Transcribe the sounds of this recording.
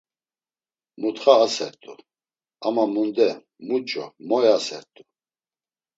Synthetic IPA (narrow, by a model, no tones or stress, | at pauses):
mut̪χaːsɛɾt̪ʼu | amamund̪ɛ | mut͡ʃʼɔmɔjasɛ̰ɾt̪ʼu